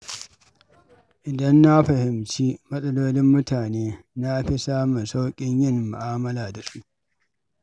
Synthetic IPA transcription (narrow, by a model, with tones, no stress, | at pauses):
ʔɪ˨dɐ˦nːa˦ɸɐ˨hɪ˨mt͡ʃiː˦mɐ˦sʼɐ˦loː˦lɪ˦mːʊ˦tʰaː˨neː˦ | na˦ɸi˦saː˦mʊ˨nsa˦wkʲʼɪ˦ɲjɪ˦˨mːʊ̰˨ʔaː˦mɐ˦laː˨da˨su˦ʔ